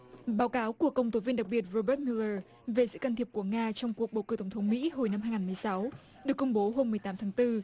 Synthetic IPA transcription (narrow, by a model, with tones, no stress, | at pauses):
ɓaː˨˦wkaː˨˦wku˧˩əkːə˧wŋ͡mt̪o˨˦vi˧ənɗa˨˩k̚ɓi˨˩ət̚ɹo˧ɓəː˦˥t̚mi˧ləː˧˩ | ve˨˩sɨ̰˧˥ka˧nt̪ʰi˨˩əp̚ku˧˩əŋaː˧t͡ɕɔ˧wŋ͡mku˨˩ək̚ɓə˨˩wkɨ˧˩t̪wŋ͡mt̪ʰə˨˦wŋ͡mmḭ˧˥ɦo˨˩jna˧mhɦaː˧jŋaː˨˩mɨ˨˩əjsa˨˦w | ɗɨ˨˩əkːʊ˧ŋ͡mɓo˨˦ɦo˧mːɨ˨˩əjt̪aː˨˦mt̪ʰaː˨˦ŋt̪ɨ˧